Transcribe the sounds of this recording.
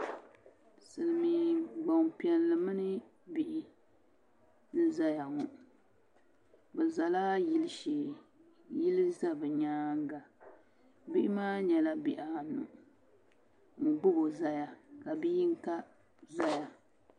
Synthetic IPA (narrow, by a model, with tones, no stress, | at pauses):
sɨ˨lɨ˨mi˨ɡ͡ba˨ŋpi˨˦ɛ˨nlɨ˨mɨ˦nɨ˦ | bi˨ʔɪ˨ | n̩˦za˦ja˨ŋʊ˨ʔ | bɛ˨za˨laː˦ji˦lʃeː˨ | ji˦lɨ˦za˦bɨ˨ɲaː˦ŋ˦ɡa˨ | bi˦ʔɪ˦maː˦ɲɛ˨la˦bi˨ʔa˨nṵ˨ʔ | ŋ̩˨ɡ͡bʊ˦ɡo˨za˦ja˨ka˨bi˦i˦ŋ˦ka˦ | za˦ja˨